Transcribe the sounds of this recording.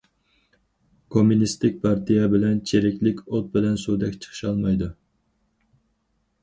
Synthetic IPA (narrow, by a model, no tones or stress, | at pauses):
kʰomunist̪ɪk̚ʲpʰɑɾt̪ʰijɛbɪlɛnt͡ʃʰeɾɪkʲlɪkʲot̪̚bɪlɛnsud̪ɛkʲt͡ʃʰə̥χʰɨ̥ʃɑlˠmɑjd̪u